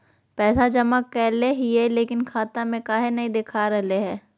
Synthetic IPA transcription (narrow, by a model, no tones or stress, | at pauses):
pɛːsad͡ʒɐmakːɛːleɦieleːkɪnkʰaːt̪amẽkaːɦenɐɦĩd̪eːkʰaɾɐɦleɦɛ̃ː